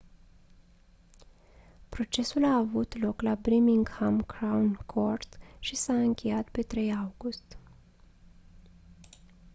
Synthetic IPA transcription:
pɾo̞t͡ʃe̞sulaːvut̪lo̞klabɾimiŋɡhamkɾawnkʰo̞rt̪ʃisaɨŋkʲe̞jat̪pe̞t̪ɾe̞jawɡust̪

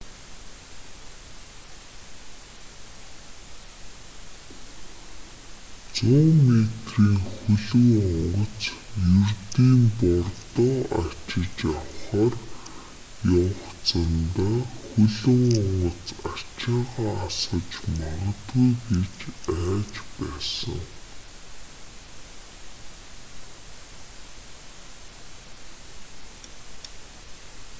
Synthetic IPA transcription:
t͡sʊːmet̪riːŋxɵɮɵ̆ŋɔɴɢɞ̆t͡sjurt̪iːmpɔrt̪ɔːa̰t͡ɕɪ̆t͡ɕawχaːr | jɔwχt͡sʰə̆nt̪aːxɵɮɵ̆ŋɔɴɢɞ̆t͡sat͡ɕaːʁaːasə̆t͡ɕmaʁə̆t̪ɡujɡet͡ɕæːt͡ɕpæːsə̰̆ŋ

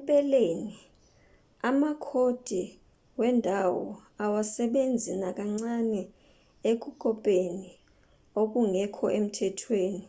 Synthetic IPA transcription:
ɓʼɛleni | amakʰod̥ʱi | wɛndʱawɔawasɛɓend͡zʱinak̬ʼaŋ͡ǀanɛ | ek̬ʼukʼɔpʼeni | ok̬ʼuŋɛkʰɔʔem̩tʰɛtʰweːni

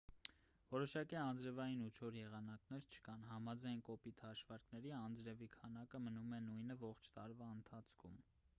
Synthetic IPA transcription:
vɔɾɔʃɑkiɑnd͡zɾɛvɑjinut͡ʃʰɔɾjɛʁɑnɑknɛɾt͡ʃʰə̥kɑnɦɑmɑd͡zɑjnkɔpit̪ʰhɑʃvɑɾknɛɾiɑnd͡zɾɛvikʰɑnɑkəmənumɛnujnəvɔχt͡ʃʰt̪ɑɾvɑənt̪ʰɑt͡sʰkʰum

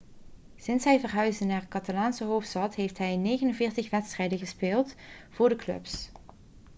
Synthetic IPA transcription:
sɪnsɦɛjvərɦœɥzdənaːɹkɑtalaːnsəɦowftstɑtɦejftɦɛjnejɣənənvɪːɹtəχʋɛtstrɛjdəχəspɪːlˠtv̥ʊːɹdəklɵ̰ps

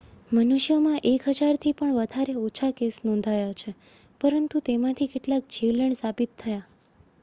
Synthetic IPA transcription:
mənuʃjomãʔekɦəd͡ʒaɾt̪ʰipəɳʋəd̪ʱaɾeot͡ʃʰakesnɔ̃nd̪ʱajat͡ʃʰe | pəɾənt̪ut̪emãt̪ʰikeʈlak̚d͡ʒiʋləɳsabit̪ʰːəja

